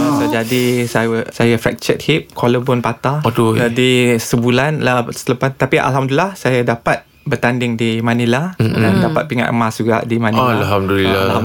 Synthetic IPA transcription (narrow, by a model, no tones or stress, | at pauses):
t̪əd͡ʒadisaəsajafɛ̰k̚t͡ʃɛt̪̚hip̚kʰoləbʊnpat̪ad̪od͡ʒadisəbulanlasələpast̪apiʔa̰lɦamduilahsajadapat̪̚ | bərt̪andɪŋdimãniladandapat̪̚piŋa̰ʔ̪masd͡ʒuɡa̰ʔdimãnialɦamdulilala